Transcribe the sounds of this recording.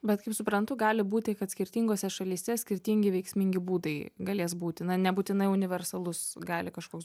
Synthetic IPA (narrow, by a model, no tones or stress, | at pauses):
bʲɛt̪kɐɪpsʊpɾɐnt̪ʊɡɑːlʲɪbuːt̪ʲɪkɐt̪sʲkʲɪɾʲt̪ʲiːŋɡoːsʲɛʃɐlʲiːsʲɛsʲkʲɪɾʲt̪ʲiŋʲɡʲɪʋʲɛɪksʲmʲɪŋʲɡʲɪbuːd̪ɐɪɡɐlʲeːs̬buːt̪ʲɪnɐnʲɛbuːt̪ʲɪnɐɪʊnʲɪʋʲɛrsɐlˠʊsɡɑːlʲɪkɐʃkoːks